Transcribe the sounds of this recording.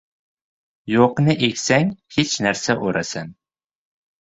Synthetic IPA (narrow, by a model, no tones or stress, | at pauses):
joqnɪʔekʲsæŋhet͡ʃnæɾsaʔoɾasan